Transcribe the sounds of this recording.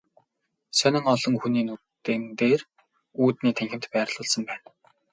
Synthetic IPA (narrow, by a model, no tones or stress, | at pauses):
sœnʲɪ̆ŋɔɮɞ̆ŋxuniːnu | t̪ent̪eːr | uːt̪niːt̪ʰæŋxɪ̆m̥t̪pæːrɮ̥ʊːɮsɞ̆mpæːn